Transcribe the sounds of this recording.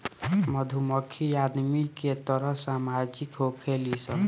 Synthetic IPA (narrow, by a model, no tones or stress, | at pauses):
məd̪ʱuməkʰːiad̪miket̪əɾəɦsamad͡ʒikɦokʰelisə